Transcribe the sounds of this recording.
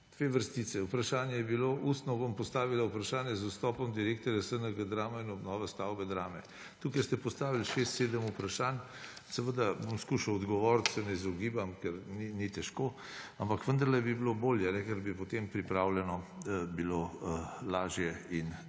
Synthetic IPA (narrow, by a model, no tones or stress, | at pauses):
d̪̥ʋeːʋəɾst̪it̪sɛupɾaʃaːnjɛjɛbiloʔust̪nɔbompɔst̪aːʋilaupɾaʃaːnjɛzust̪ɔːpɔmd̪iɾeːk̚t̪ɔɾjasənəɡad̪ɾaːmɔinɔbnɔːʋɛst̪awbɛd̪ɾaːmɛ | t̪ukajst̪ɛpɔst̪aːʋilʃest̪seːd̪əmupɾaʃan | sɛʋəd̪abomskuʃawɔd̪ɡɔʋɔːɾt̪sɛnɛizɔɡiːbamkɛɾninit̪ɛʃko | ampakʋənd̪ɐɾlɛbibiloboːljɛnɛkɛɾbipot̪empɾipɾawljɛnɔbilolaːʒjɛin